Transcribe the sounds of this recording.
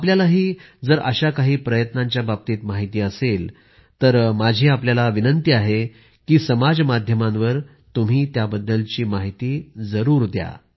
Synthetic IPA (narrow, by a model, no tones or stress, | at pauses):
apljalaɦiːd͡zəɾə̰ɕakaɦiːpɾəjət̪nãɲt͡ɕjabab̚t̪iːt̪maɦit̪iːəsel | t̪əɾmad͡ʑʱiːapljalaʋinənt̪iaɦe | kiːsəmad͡zmad̪ʱjəmãnʋəɾ | t̪um̤iːt̪jabəd̪ːəlt͡ɕiːmaɦit̪iːd͡zəɾuːɾd̪ja̰